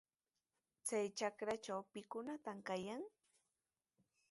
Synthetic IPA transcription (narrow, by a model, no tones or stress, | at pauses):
t͡sajt͡ʃakɾat͡ʃawpɪkʊnat̪amkajaŋ